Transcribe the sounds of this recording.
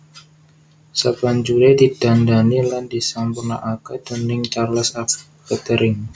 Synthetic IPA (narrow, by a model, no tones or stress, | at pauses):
saband͡ʒulɛdid̥andanilandisampurna̰ʔakad̪̥ɔnɪŋt͡ʃarləsa | kət̪əɾɪŋ